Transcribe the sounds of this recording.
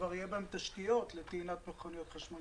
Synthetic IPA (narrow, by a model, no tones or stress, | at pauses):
vaʁjebaemt̪aʃkijo̞t̪let̪einat̪meχonijot̪χaʃmo